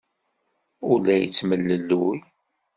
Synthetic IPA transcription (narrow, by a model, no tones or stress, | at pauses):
ʊɾlːæjə̰t͡sːməlːəlːuj